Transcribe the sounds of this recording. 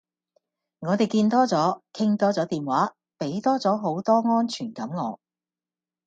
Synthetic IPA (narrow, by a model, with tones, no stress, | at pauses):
ŋɔː˨˧t̪e˨jkiː˧nt̪ɔː˥t͡sɔː˨˥kʰɪ˥ŋt̪ɔː˥t͡sɔː˨˥t̪iː˨˩nwaː˨˥ | pe˨˥jt̪ɔː˥t͡sɔː˨˥ɦo˨˥wt̪ɔː˥ŋɔː˥nt͡ʃʰyː˨˩nkɐ˨˥mŋɔː˨˧